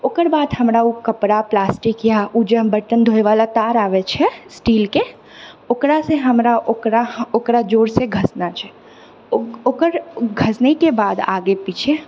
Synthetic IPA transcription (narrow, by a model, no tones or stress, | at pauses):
okəɾbaːd̪həmɾaukəpɾaplaːsʈikjaud͡ʒə̃bəʈənd̪ʱoːeʋaːlat̪aːɾaːʋet͡ʃʰɛsʈiːlke | okɾaseɦəmɾaʔokɾaokɾad͡ʒoːɾseɡʱəsnat͡ʃʰɛ | okəɾɡʱəsnekebaːd̪a̰ːɡepiːt͡ʃʰe